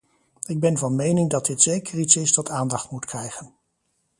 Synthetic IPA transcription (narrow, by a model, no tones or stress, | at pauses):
ɪɡ̚bɛnvɑnmejnɪŋdɑt̚dɪtsejkəritsɪsdɑtʰaːndɑχtmutkrɛjχən